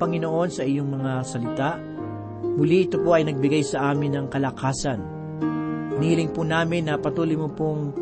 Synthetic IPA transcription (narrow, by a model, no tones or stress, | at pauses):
pɐŋɪno̞ʔo̞nsɐʔɪjoŋmɐŋasɐlɪt̪aʔ | muliʔɪt̪opoɐjnɐɡ̚bɪɡajsɐʔaːmɪnːɐŋkɐlɐkaːsɐn | nhilɪŋpʊnaːmɪnːɐpɐt̪uːlʊjmʊpoŋ